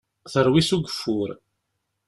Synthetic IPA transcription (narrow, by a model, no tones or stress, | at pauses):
θəɾˤwisuɡəfːʊɾ